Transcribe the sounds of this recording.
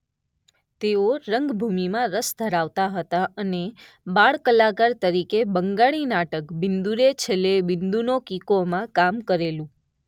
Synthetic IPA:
t̪eoɾəŋɡbʱumimãɾəsd̪ʱəɾaʋt̪aɦət̪aəne | baɭkəlakaɾt̪əɾikebəŋɡaɭinaʈəkbɪnd̪uɾet͡ʃʰelebɪnd̪unokikomãkamkəɾelũ

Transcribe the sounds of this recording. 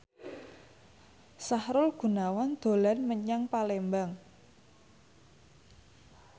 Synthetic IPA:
sahɾʊlɡ̥ṳnawand̪̥o̤lanməɲaŋpalembaŋ

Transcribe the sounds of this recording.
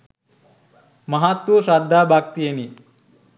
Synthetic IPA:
mɐɦat̪wuʃaːd̪ʱːaːbʱaːk̚t̪ijeni

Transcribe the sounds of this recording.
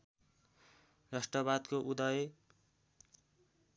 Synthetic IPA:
rʌsʈʌbad̪koʔud̪ʌje

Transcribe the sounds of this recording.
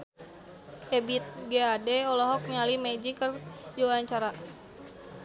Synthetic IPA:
ʔɛbit̪̚ɡeadɛɔlɔɦɔk̚nialimɛd͡ʒikərd͡ʒiwaaɲt͡ʃaɾa

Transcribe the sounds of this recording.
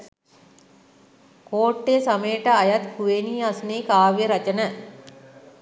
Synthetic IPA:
koːʈːesɐmejʈəɐjat̪kuʋeniːasuneːkaːʋjəɾɐt͡ʃənə

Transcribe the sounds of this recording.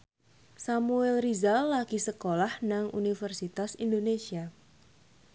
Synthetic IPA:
samuɛlrizalːaɡ̥isəkolahnaŋʔṵnifərsit̪asind̪onesia

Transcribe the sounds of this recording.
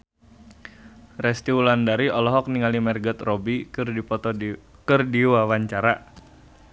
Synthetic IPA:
rɛst̪iulandaɾiɔlɔɦɔk̚niŋalimɛrɡət̪rɔbiripɔt̪ɔkɨrdiwawaɲt͡ʃaɾa

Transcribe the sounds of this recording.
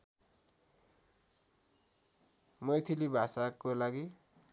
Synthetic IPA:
mʌjt̪ʰilibʱasakolaɡi

